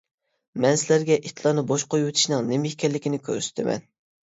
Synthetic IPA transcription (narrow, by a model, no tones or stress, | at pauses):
mɛnsɪlæɾɡʲɛʔit̪ʰlˠɑnɨboʃqʰojuwɨt̪ʰu̥ʃnɨŋnemɪhkʲɛlːɪkʲinɪkʲʰø̰ɾsy̥t̪ʰɪmɛ̰n